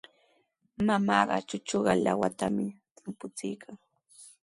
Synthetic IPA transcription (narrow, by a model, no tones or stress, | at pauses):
mamɑːɢɑ̰t͡ʃʊt͡ʃoɢɑlawat̪amɪt̪ɪmpʊt͡sɪjkʰaŋ